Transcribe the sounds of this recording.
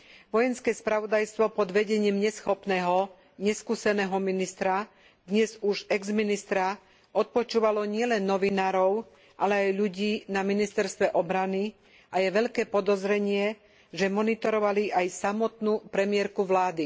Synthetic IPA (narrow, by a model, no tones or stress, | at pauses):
ʋɔjɛnskɛːspɾaʋɔd̪ajst̪ʋɔpɔd̪ʋɛɟɛɲiːmɲɛsxɔpnɛːɦɔ | ɲɛskuːsɛnɛːɦɔminist̪ɾa | d̪̥ɲɛzuʒɛɡzminist̪ɾa | ɔt̪̚pɔt͡ʃuːʋalɔɲɪɛlɛnːɔʋinaːɾɔʊ | ʔalɛajʎuɟiːnaminist̪ɛɾst̪ʋɛʔɔbɾani | ʔajɛʋɛʎkɛːpɔd̪ɔzɾɛɲɪɛ | ʒɛmɔnit̪ɔɾɔʋaliʔajsamɔt̪nupɾɛmɪɛɾkuʋlaːd̪i